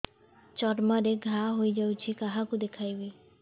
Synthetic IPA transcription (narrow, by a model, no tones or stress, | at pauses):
t͡ʃɔɾmɔɾeɡʱaɦojd͡ʒawt͡ʃʰikaɦakud̪ekʰajbi